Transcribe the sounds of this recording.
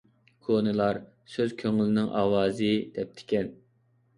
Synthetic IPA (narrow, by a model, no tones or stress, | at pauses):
kʰonɨlˠɑɾ | søz̥kʲʰøŋlɪnɪŋʔɑ̰ːwɑːzɨd̪̥ɛp̚t̪ʰɪ̥kʲɛn